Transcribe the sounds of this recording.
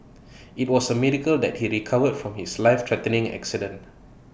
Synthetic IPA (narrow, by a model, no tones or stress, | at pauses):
it̚wɔsəmiɹikəldɛt̚hiɹikʰavədfɹɔ̃mhislaɪftʰɹɛtənɪ̃ŋɛ̰ksidə̃nt